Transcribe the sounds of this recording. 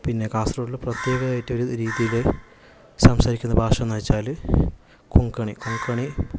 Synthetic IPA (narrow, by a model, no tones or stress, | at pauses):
pinːe̞kaːst̪roɽilprɐt̪je̞ːɣɐːjitːɨoɾuɾiːðijil | sɐmsɐɾikʲːunːɐbʱaːʂɐnːɐːt͡ɕːaːl | kʰuŋkɐɳikuŋkɐɳi